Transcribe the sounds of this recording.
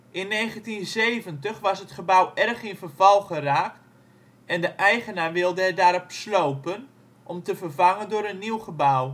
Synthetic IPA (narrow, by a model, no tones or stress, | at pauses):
ʔɪnːeːχəntinzeːvəntəχʋɑsɦətχəbawʔɛrχinfərvɔlˠχəraːk | ɛndəʔɛjχənarʋɪlˠdəɛdaɾɔpsloːpən | ʔɔmtəvərvaŋəndʊːɾənːiwχəbaw